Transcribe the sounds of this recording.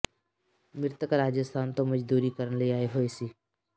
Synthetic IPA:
mɪɾt̪əkɾaːd͡ʒəst̪ʰaːnt̪õməd͡ʒd̪uːɾikəɾənləiaːeɦoːesiː

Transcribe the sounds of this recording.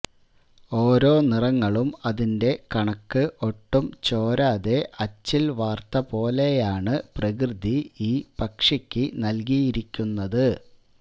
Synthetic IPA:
o̞ːɾo̞ːnirɐŋːɐɭumɐðinde̞kɐɳɐkːɨʔo̞ʈːumt͡ɕo̞ːɾaːðe̞ʔɐt͡ɕːilʋaːrt̪ɐpo̞ːle̞jaːɳɨprɐk̬rɨd̪iiːpɐkʂɐkʲːɨnɐlkijiɾikʲːunːɐðɨ

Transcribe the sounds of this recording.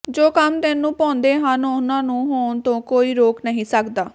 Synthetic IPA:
d͡ʒoːkəmt̪ɪnːũːpɔ̃ːnd̪eːɦanʊnãːnũːɦoːnt̪õːkoːiːɾoːknəɦĩːsəkd̪aː

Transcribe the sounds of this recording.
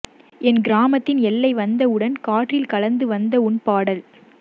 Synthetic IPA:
ɛnɡɪɾaːmɐt̪ːɪnɛlːɐɪʋɐnd̪ɐɯɽɐnkaːʈrɪlkɐlɐnd̪ɯʋɐnd̪ɐʊɳpaːɽɐl

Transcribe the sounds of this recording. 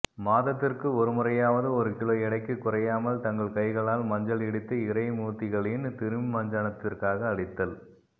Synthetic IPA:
maːðɐt̪ːɪrkɯɔɾɯmʊrɐjaːʋɐðɯɔɾɯkɪɭoːɪɽɐɪkːɯkːʊrɐjaːmɐlt̪ɐŋɡɐɭkɐɪɣɐɭaːlmɐɲd͡ʒɐɭɛɽɯt̪ːɯɪɾɐɪmuːt̪ːɪɣɐɭɪnt̪ɪɾɯmmɐɲd͡ʒɐɳɐt̪ːɪrkaːɣɐːɽɪt̪ːɐl

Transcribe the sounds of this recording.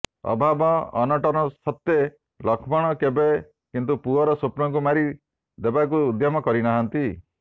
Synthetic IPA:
ɔ̰bʱabɔɔnɔʈɔɾɔsɔt̪ːe | lɔkʰbɔɽ̃ɔkebe | kint̪̬upuɔɾɔsupnɔŋk̬umaɾi | d̪ebak̬uːd̪ʱjɔmɔkɔɾinaɦant̪i

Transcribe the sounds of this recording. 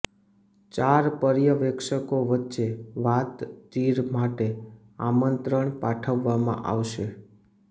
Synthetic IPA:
t͡ʃaɾpəɾjəʋɛkʃəkoʋətːʃeʋat̪d͡ʒiɾmaʈe | a̰mənt̪ɾəɳpaʈʰəʋːamã̰ʔa̰ʋʃe

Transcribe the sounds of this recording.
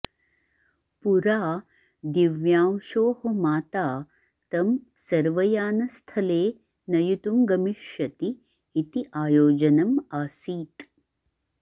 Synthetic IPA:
puɾaː | d̪iʋjaːmʃoːhɐmaːt̪aː | t̪ɐm | sɐɾʋɐjaːnɐst̪ʰɐleː | nɐjut̪umɡɐmiʃjɐt̪iː | t̪iʔaːjoːd͡ʒɐnɐmaːsiːt̪

